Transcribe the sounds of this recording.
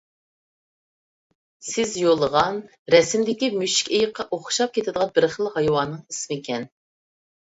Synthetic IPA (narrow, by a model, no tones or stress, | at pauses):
sɪzjolˠəʁɑn | ɾɛsɪmd̪ɪkʲimyʃi̥kʲejəqʰːɑʔoχʃɑp̚kʲʰet̪ʰɪd̪əʁɑnbɪɾχəlˠhɑjwɑnːɨŋismikʲʰɛn